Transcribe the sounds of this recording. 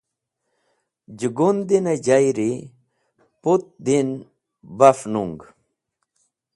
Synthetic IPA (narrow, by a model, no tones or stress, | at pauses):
d͡ʑuɡund̪ined͡ʑajɾi | put̪̚d̪in | bɐfnuŋɡ